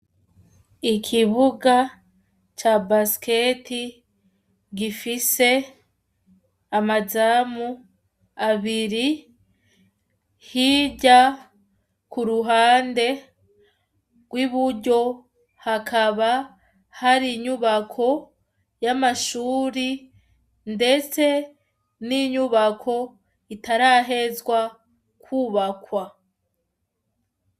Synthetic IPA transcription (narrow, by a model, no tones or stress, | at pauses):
ikʰiβuɡa | t͡ʃabaske̞ti | ɡifise̞ | amazaːmu | aβiɾi | hiɟa | kuɾuɦaːnde̞ | ɡ̥wiβuɟo̞ | hakʰaβa | haɾiɲuβakʰo̞ | jamaʃuːɾi | nde̞t͡se̞ | niɲuβakʰo̞ | itaɾaːɦe̞zwa | kuːβakwa